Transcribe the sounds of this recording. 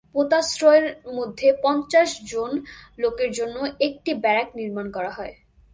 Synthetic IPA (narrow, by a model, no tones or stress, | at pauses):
pot̪asɾɔeɾmod̪ʱːepɔnt͡ɕaʃd͡ʑonlokeɾd͡ʑonːoek̚ʈibɛɾɛkniɾmankɔɾaɦɔe